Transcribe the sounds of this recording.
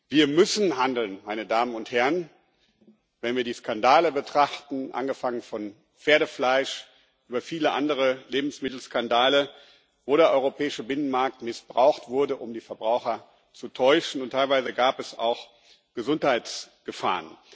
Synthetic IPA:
viːɐmʏsn̩handl̩nmaɪnədaːmənʊnthɛʁən | vɛnviːɐdiːskandaːləbətʁ̥aχtn̩ʔa̰nɡəfaŋənfɔn | p͡feːɐɾəflaɪʃ | ʔyːbɐfiːləʔandəʁ̞əleːbm̩smɪtl̩skandaːlə | voːɾeɐʔɔʏʁopʰɛːɪʃəbɪnənmaɐk̚tmɪsb̥ʁaʊxtv̥ʊɐdəʔʊmdiːfɛɐbʁaʊxɐ | t͡sutʰɔʏʃn̩ʊntʰːaɪlvaɪzəɡaːpɛsa̰ʊx | ɡ̥əzʊnthaɪt͡sɡ̥əfa̰ːʁən

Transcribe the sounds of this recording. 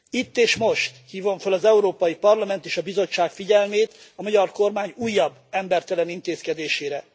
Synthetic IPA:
it̪ːeːʃmo̞ʃt̪hiːvoɱfølɒzɛuɾoːpɒjipɒrlɒmɛnt̪eːʃɒbizo̞t͡ʃːaːkfiɟɛlmeːt̪ɒmɒɟɒrko̞rmaːɲuːjːɒbːɛmbɛrt̪ɛlɛnint̪eːskɛd̪eːʃeːɾɛ

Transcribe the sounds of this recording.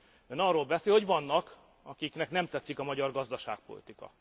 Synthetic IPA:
ønɒrːoːlbɛseːlho̞ɟvɒnːɒk | ɒkiknɛknɛmt̪ɛt̪sikɒmɒɟɒrɡɒzd̪ɒʃa̰ːk̚po̞̰lḭt̪ikɒ̰

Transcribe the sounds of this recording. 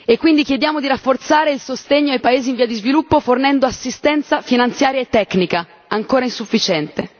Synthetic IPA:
ekːwind̪ikjed̪jaːmod̪iɾafːort̪saːɾeilsost̪eɲːoajpaeːziːɱviːad̪izvilupːofornɛnd̪oasːist̪ɛnt̪safinant̪sjaːɾjaet̪ːɛkːnika | aŋkoːɾainsufːit͡ʃɛnt̪e

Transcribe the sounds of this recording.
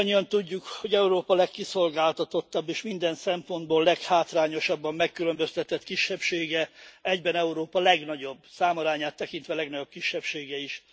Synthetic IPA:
ɲːiɒnt̪uɟːukho̞ɟɛuɾoːpɒlɛkːiso̞lɡaːlt̪ɒt̪o̞t̪ːɒbːeːʃmind̪ɛnsɛmpo̞nd̪boːlːɛkhaːt̪raːɲo̞ʃɒbːɒmːɛkːylø̞mbøst̪ɛt̪ɛt̪kiʃːɛpʃeːɡɛɛɟbɛnɛuɾoːpɒlɛɡnɒɟo̞bsaːmoɾaːɲaːt̪ːɛkin̪t̪ʋɛlɛɡnɒɟo̞p̚kiʃːɛpʃeːɡɛiʃ

